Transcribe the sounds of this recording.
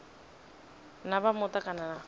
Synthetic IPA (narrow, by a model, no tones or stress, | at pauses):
nabamʊtakʼanana